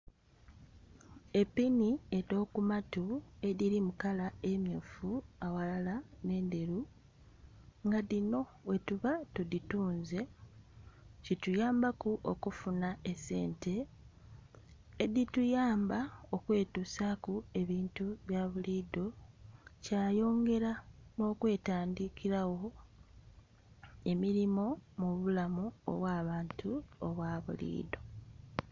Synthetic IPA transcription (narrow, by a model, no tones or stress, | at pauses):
epːinie̞do̞ːkumatue̞ðiɾimukalae̞mjoːfuawalalane̞ːnde̞ɾu | ŋɡaðino̞we̞tuβatudituːnze̞ | citujaːmbakuʔokufunaese̞ːnte̞ | ditujaːmbao̞kwe̞ːtusakue̞βiːntuβjaːβuliːdo̞ | caːjo̞ːŋɡe̞ɾano̞ːkwe̞ːtaːndikiɾawo̞ | e̞miɾimo̞muβulamuo̰βwaːβaːntʰuoβwaːβṵlḭːdo̞